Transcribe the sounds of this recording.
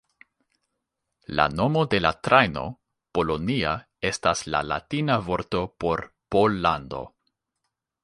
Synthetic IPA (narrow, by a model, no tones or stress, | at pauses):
la̰no̞mo̞de̞latɾʔajno̞̰ | po̞lo̞nia | e̞stasla̰la̰tinavo̞ɾto̞po̞ɾ | polːando̞̰